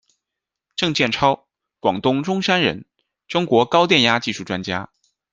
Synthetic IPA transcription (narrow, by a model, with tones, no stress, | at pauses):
ʈ͡ʂɤ˥˧ŋt͡ɕjɛ˥˩nʈ͡ʂʰɑ˥ʊ | kwɑ˨˩ŋt̪ʊ˥ŋʈ͡ʂʊ˥ŋʂa˥nɻə̰˧˥n | ʈ͡ʂʊ˥ŋkwɔ˧˥kɑ˥ʊt̪jɛ˥˩nja˥t͡ɕi˥˧ʂu˥˩ʈ͡ʂwa˥nt͡ɕja̰˥